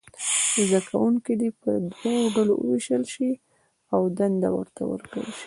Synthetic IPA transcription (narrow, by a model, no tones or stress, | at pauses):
zakʰawuŋkid̪ipəd̪wawoɖalo̰wə̰wiʃəlʃi | awd̪and̪a̰wə̰ɾt̪a̰wə̰ɾkɽə̰lʃi̥